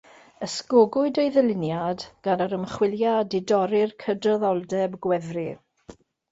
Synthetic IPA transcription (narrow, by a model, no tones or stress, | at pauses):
əskoɡʊɨdəɨðəlɪnjadɡ̥anəɾəmχwɪlˠjadɪdɔɾɪrkʰədrɔðɔlˠdɛbɡwɛðrɪ